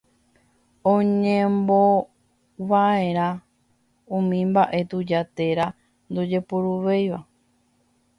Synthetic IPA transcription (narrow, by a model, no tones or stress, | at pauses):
õɲẽmbo | ʋaẽɾ̃ã | ũmĩmbaʔe̞t̪ud͡ʒat̪e̞ɾa | nd̪od͡ʒe̞puɾuʋejʋa